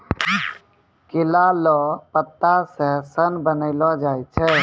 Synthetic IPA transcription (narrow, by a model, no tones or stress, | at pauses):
kɪlalɔpət̪ːasəsənbənəɪlɔd͡ʒaːjt͡ʃʰɛ